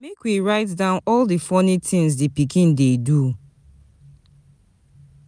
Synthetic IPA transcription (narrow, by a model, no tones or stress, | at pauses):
mekwiɹaɪtdãʊ̃nɔldifɔnitɪ̃ŋzdipikĩndedu